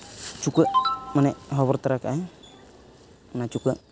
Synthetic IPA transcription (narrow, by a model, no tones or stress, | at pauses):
t͡ʃukəʔmanɛʔɦɔβɔɾt̪aɾakaʔaj | mnat͡ʃukəʔ